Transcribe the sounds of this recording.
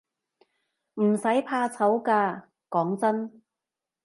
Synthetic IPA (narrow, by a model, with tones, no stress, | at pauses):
m̩˨˩sɐ˨˥jpʰaː˧t͡sʰɐ˨˥wkaː˧ | kɔː˨˥ŋt͡sɐ˥n